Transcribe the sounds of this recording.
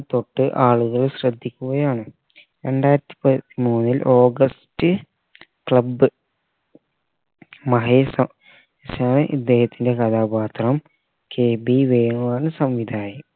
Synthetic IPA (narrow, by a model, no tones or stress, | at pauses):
t̪o̞ʈːɨʔaːɭuɣɐɭɕrɐd̪ʱːikʲːuɣɐjaːɳɨ | ɾe̞ɳɖaːjiɾɐt̪ːi̥pɐt̪ːimuːnːilʔo̞ːɡɐstɨ | kɭɐbːɨ | mɐɦeːsɐ | isaːɳɨʔḭd̪ːe̞ːhɐt̪ːinde̞kɐd̪aːbaːt̪rɐm | keːbiʋeːɳuaːnɨsɐmʋid̪ʱaːjɐm